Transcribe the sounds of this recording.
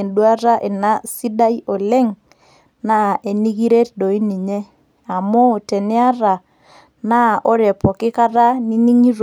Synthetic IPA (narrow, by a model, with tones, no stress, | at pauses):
ndwa˦ɾa˦ʔe˨na˦si˦da˦i˦o˨lɛ˦ŋ | na˦e˨ni˦ɣi˦ɾe˦t̚ɗo˨i˦ni˨ɲe˦ | a˨mo˦˨tɛ˨nɪ˦a˦ɾa˨ | na˦ʔo˦ɾɛ˨pɔ˨kɪ˦ka˦ɾa˦ni˦ni˦ŋi˦ɾ